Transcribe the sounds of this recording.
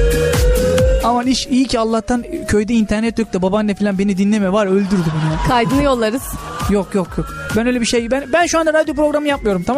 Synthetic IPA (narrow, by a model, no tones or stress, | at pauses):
amaniʃijicʰialˠːaht̪ʰancʰøjd̪ɛint̪ʰæɾnɛt̪ːøc̚ʲt̪ɛbabanːɛfilʲanbe̞nid̪inlʲemɛvaɾø̞lʲd̪yɾd̪ybunjakʰajd̪ɯnɯjo̞lˠːaɾɯz̥ | jokjokjok̚ | bænøjlʲebiʃejbænbænʃuand̪aɾad̪jopɾo̞ɡɾamɯjap̚mɯjo̞ɾumt̪ʰam